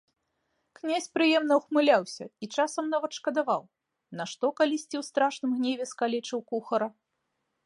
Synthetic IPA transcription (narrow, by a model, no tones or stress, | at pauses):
knʲasʲpɾɨjɛmnɐwxmɨlʲawsʲɐit͡ʂasɐmnavɐt̪ʂkɐd̪ava̰w | nɐʂt̪ɔkalʲisʲt͡sʲiwst̪ɾaʂnɨmɣnʲevʲɛskalʲɛt͡ʂɨwkuxɐɾɐ